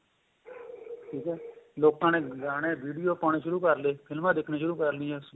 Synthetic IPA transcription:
ʈʰiːkɦɛːloːkãːnẽːɡaːɽ̃eːʋiːɖijoːpoːɽ̃eːʃʊɾuːkəɾleːpʰɪlmãːd̪ɪkʰneːʃʊɾuːkəɾlĩːɛːs

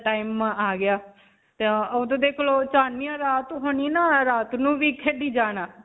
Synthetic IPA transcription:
ʈaːimaːɡɪjaː | t̪eoːd̪õːd̪eːkʰloːt͡ʃaːnːiːãːɾaːt̪ɦoniːnaːɾaːt̪nũːʋiːkʰeːɖiːd͡ʒaːnaː

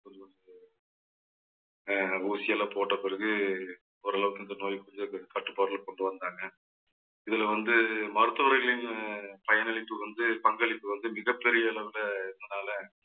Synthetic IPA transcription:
kɔɲd͡ʒɯʋɐnd̪ɯ | uːsɪjɐlɐpoːʈːɐpːɪɾɐɣɯ | ɔɐɾɐɭɐʋɯkːɯnd̪ɐnoːjkːɔɲd͡ʒɐkɐʈːɯpːaːɾlɐkɔɳɖɯʋɐnd̪aːŋɡɐ | ɪðɪlɐʋɐnd̪ɯmɐɾɯt̪ːɯʋɐɾɐɪɣɐɭɪnpɐjɐnɐɭɪpːɯʋɐnd̪ɯpɐŋɡɐɭɪpːɯʋɐnd̪ɯmɪɣɐpːɛɾɪjɐɛɭɐʋɪlɐɪðɐnaːlɐ

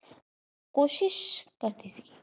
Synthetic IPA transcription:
koːʃiʃkɐɾt̪isiki

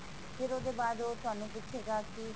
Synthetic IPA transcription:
pʰɪɾoːd̪eːbaːd̪oːt̪ʊɦaːnũːpɪt͡ʃʰeːɡaːki

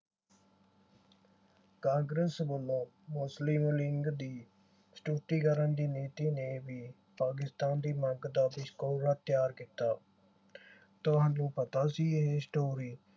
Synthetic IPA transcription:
kãːŋɡɾəsbʊlõː | mʊslɪmlɪŋɡd̪iː | sʈuːʈiːkəɾənd̪iːneːt̪iːneːbiː | paːk̬ɪst̪aːnd̪iːməɡd̪aːbɪʃkoːɾaːt̪jaːɾkɪt̪aː | t̪ʊɦãːnnũːpət̪aːsiːɦeːsʈoːɾiː

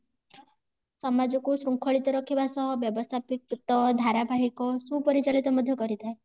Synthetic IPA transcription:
sɔmad͡ʒɔkusɾuŋkʰɔɭit̪ɔɾɔkʰibasɔɦɔbjɔbɔst̪ʰapikut̪ɔd̪ʱaɾabʱaɦikɔsupɔɾit͡ʃaɭit̪ɔmɔd̪ʱjɔkɔɾit̪ʰae

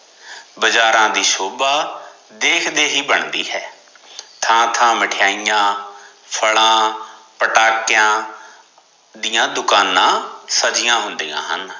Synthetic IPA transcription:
bəd͡ʒaːɾãːd̪iːʃoːbaː | d̪eːkʰd̪eːɦiːbəɳd̪ḭːɦɛː | t̪ʰãːt̪ʰãːməʈʰɪjaːijãː | pʰəɭãːpəʈaːkɪjãː | d̪ijãːd̪ʊkaːnãːsəd͡ʒɪjãːɦʊnd̪iːã̰ːɦən

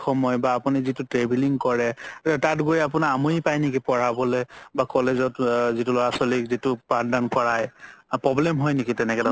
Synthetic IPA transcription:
xɔmɔjbaːpunizitʊtɹebʱiliŋkɔɹɛtatɡojɛap̬ʊnaamuipajnekipɔɹabɔlɛbakɔlezɔtzitulɔɹasɔlikzitʊpandanpɔɹajpɹɔblɛmɦɔjnekitɛnɛkɛda

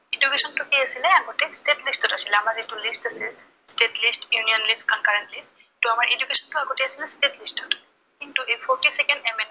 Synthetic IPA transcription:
id͡ʒukesɔntʊkejasilɛaɡotɛstetlistɔtasilɛamaɹzetulisʈasil | stetlisʈjuniɔnlistkɔnkaɹentlist | tuamaɹʔed͡ʒukesɔntʊaɡotɛasilɛstetlistɔt | kintuʔepʰɔɹtisɛkɛnɖɛmen

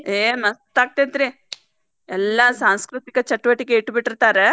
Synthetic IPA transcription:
eːmɐst̪aːɡ̚t̪ent̪ɾi | ɛlːɐsaːnskɾut̪ikɐt͡ʃɐʈːʋɐʈikeiʈːbiʈːiɾt̪aːɾe

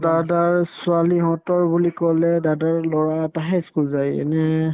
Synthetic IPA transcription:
dadaɹsʊaliɦɔ̃tɔɹbulikɔlɛdadaɹlɔɹataɦɛskulzajɛ̰nɛ

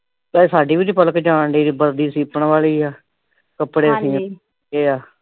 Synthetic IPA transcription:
bɛːsaːɖiːʋid͡ʒipələkd͡ʒaːɳɖiːɾiːbəɾd̪iːsiːpəɳʋaːliːaː | kəpːɽeːəsĩː | eːaː

